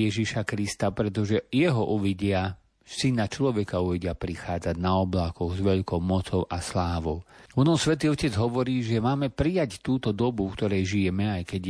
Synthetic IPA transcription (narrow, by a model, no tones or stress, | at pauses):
jɛʒiʃakɾist̪apɾɛt̪ɔʒɛjɛɦɔʔuʋiɟɪa | sinat͡ʃlɔʋɛkauʋiɟɪapɾixaːd͡zaɟnaɔblakɔɣzʋɛʎkɔʊmɔt͡sɔʊʔaslaːʋɔʊʋɔnɔsʋɛt̪̬iːɔcɛd͡zɦɔʋɔɾiːʒɛmaːmɛpɾijact̪uːt̪ɔd̪ɔbukt̪ɔɾɛjʒijɛmɛajkɛɟ